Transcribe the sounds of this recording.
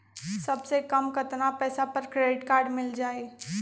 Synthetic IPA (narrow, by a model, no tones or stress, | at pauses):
sɐbsekɐmkət̪napɛːsapəɾkɾeɖɪʈkaːɾɖmɪld͡ʒaːe